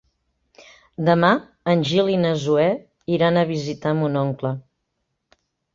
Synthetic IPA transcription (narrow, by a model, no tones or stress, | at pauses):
d̪əma | ənʲʒilinəzuɛ | iɾanəβizit̪amunɔŋklə